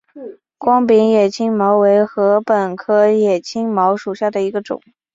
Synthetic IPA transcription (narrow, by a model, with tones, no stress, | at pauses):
kwɑ˥ŋpi˧˥ŋjɛ˨˩t͡ɕʰi˥ŋmɑ˧˥ʊwe˧˥ɪxɤ˧˥pə˨˩nkʰɤ˥jɛ˨˩t͡ɕʰi˥ŋmɑ˧˥ʊʂu˨˩ɕja˥˩d̪ə˩i˧˥ɡə˧ʈ͡ʂʊ̰˨˩˦ŋ